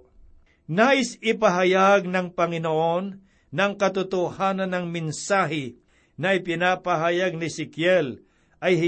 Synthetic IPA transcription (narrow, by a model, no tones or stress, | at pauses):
naːʔɪsɪpɐɦɐjaɡ̚nɐŋpɐŋɪnoʔo̞nː | ɐŋkɐt̪ʊt̪ohaːnɐnːɐŋmɪnsaːɦɪ | nɐʔɪpɪnapɐɦajaɡ̚nɪsɪkjɛl | ʔɐjhɪ